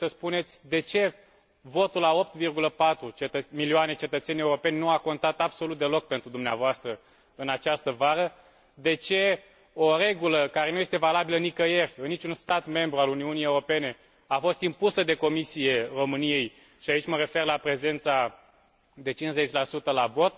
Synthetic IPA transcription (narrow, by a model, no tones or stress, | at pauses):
səspune̞t̪sʲd̪e̞t͡ʃe̞ | vo̞t̪ulao̞p̚t̪virɡuləpat̪ɾut͡ʃet̪əmilioanet͡ʃe̞t̪ət̪se̞nʲje̞uɾo̞pe̞nʲnuako̞nt̪at̪absolut̪̚d̪e̞lo̞k̚pe̞nt̪ɾud̪umnea̰voast̪ɾə | ɨnat͡ʃast̪əvaɾə | d̪e̞t͡ʃe̞ | oɾe̞ɡuləkaɾe̞nuje̞st̪e̞valabilənikəje̞rʲɨnːit͡ʃunst̪at̪me̞mbɾualuniunijeuɾo̞pe̞ne̞ | afo̞st̪impusəd̪e̞ko̞misije̞ro̞mɨnije̞j | ʃiait͡ʃʲməɾe̞fe̞rlapɾe̞ze̞nt̪sa | d̪e̞t͡ʃinsze̞t͡ʃʲlasut̪əlavo̞t̪̚